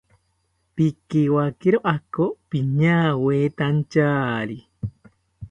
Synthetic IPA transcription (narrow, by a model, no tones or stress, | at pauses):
pikiwakiɾoʔakopiɲãːweːt̪ant͡ʃaːɾi